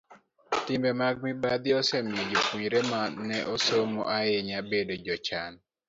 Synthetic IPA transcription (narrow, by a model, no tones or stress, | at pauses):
tɪmbɛmaɡ̚mibad̪ɪɔsɛmjed͡ʒokuɲɾemanːɛʔosomoʔajeɲabedod͡ʒɔt͡ʃan